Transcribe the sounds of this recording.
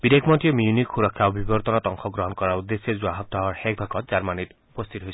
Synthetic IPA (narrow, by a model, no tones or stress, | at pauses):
bid̪ekʰmɔnt̪iɔmiunikxuɾɔkʰːaɔbʱibɔɾt̪ɔnɔt̪ɔŋxʰɔɡɾɔɦɔnkɔɾaɾud̪ːesezuaɦɔt̚d̪ɔɦɔɾhɛk̚bʱakʰɔt̪̚t͡ʃaɾmanitupɔst̪ʰit̪ɔɦojʰ